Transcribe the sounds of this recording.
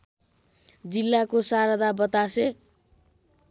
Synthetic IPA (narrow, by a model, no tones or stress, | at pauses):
d͡zilːakosaɾʌd̪abʌt̪ase